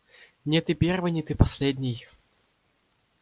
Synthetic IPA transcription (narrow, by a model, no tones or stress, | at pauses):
nʲɛt̪ɨpʲervɨnʲɪt̪ɨpɐsʲlʲed̪ʲnʲɪj